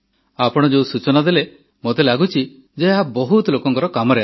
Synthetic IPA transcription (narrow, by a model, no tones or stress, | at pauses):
apɔɽ̃ɔd͡ʒeũsut͡ʃɔnad̪ele | mot̪elaɡut͡ʃʰi | d͡ʒeɦabɔɦut̪lokɔŋkɔɾɔkamɔɾea